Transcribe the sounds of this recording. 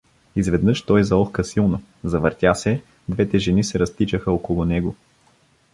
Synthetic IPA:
izvɛd̪nɤʃt̪ɔjzɐɔxkəsilˠnʊ | zɐvəɾt̪ʲasɛ | d̪vɛt̪ɛʒɛnisɛɾɐst̪it͡ʃəxəɔkolˠʊnɛɡʊ

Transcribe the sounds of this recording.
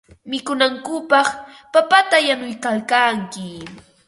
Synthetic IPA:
mɪkʊnaŋkʊpɑχ | papat̪ajanʊjkalkaŋkɪ

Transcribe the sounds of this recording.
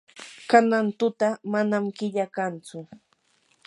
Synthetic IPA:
kanant̪ʊt̪amanamkɪʎakant͡sʊ

